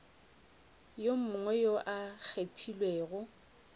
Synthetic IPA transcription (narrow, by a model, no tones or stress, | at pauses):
jom̩ʊŋwɛjoʔak͡xʰetʰilweːɣʊ